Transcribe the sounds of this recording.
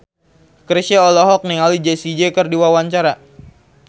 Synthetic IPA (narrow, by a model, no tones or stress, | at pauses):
kəɾiʃaɔlɔɦɔk̚niŋalid͡ʒesid͡ʒekərdiwawaɲt͡ʃaɾa